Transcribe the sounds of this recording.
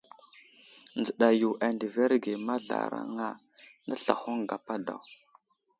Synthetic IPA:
nd͡zə˨ɗa˨ju˨ʔa˨ndi˨ve˦ɾɡe˨ma˦ɮa̰˨ɾa̰˦ŋa˦ | nda˦ɬa̰˨xo˦ŋɡa˨pa˦da̰˨w

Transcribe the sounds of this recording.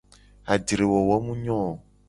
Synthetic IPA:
a˨di˨ɾe˨wɔ˨wɔ˦mũ˦ɲɔ̃˦˨

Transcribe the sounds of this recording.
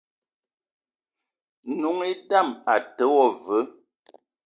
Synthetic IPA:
nu˨˦ŋi˦da˦˨ma˨tə˨˦wɔ˦˨və˨˦

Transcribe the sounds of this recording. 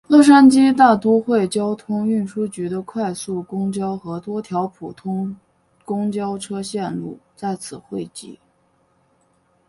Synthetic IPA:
lɤ˥˩ʂ̬a˥nt͡ɕi˥t̪a˥˩t̪u˥xwe˥˩ɪt͡ɕjɑ˥ʊt̪ʰʊ˥ŋy˥˩nʂu˥t͡ɕy˧˥d̪ə˧kʰwa˥˧ɪsu˥˩kʊ˥ŋt͡ɕjɑ˥ʊxɤ˧˥t̪wɔ˥t̪ʰjɑ˧˥ʊpʰu˨˩t̪ʰʊ˥ŋ | kʊ˥ŋt͡ɕjɑ˥ʊʈ͡ʂʰɤ˥ɕjɛ˥˧nlu˥˩t͡sa˥˩ɪt͡sʰɹ̩˨˩xwe˥˩ɪt͡ɕḭ˥˩

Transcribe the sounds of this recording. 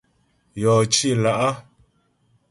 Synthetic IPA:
jɔː˨t͡ʃi˦˨la˨ʔa˦

